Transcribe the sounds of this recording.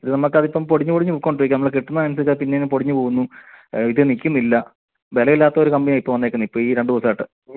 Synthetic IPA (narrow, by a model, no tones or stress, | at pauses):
iðɨnɐmːɐkːɐðipːɐmpoɽiɲːupoɽiɲːupukːoːɳɖiɾik̬ʲːunɐmɐɭekeʈːunːɐmɐnɐs̬ilk̬ʲːaðɨpinːe̞nːɨpoɽiɲːupoːɣunːuiðɨnikʲːumːilːɐ | belɐʋilːaːt̪ːɐo̞ɾukɐmbɐnijaːipːɐʋɐnːekːunːɐipːoːiːɾeɳɖɨðosɐaːjʈːɨ